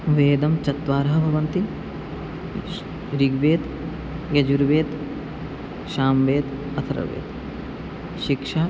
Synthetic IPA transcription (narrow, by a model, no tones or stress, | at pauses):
ʋeːd̪ɐmt͡ʃɐt̪ʋaːɾɐɦɐbʱɐʋɐnt̪i | ɾiɡʋeːt̪ | ɡɐd͡ʒuɾʋeːt̪ | ʃaːmʋeːd̪ | ɐt̪ʰɐɾɐ̰ʋḛːd̪ | ʃikʂaː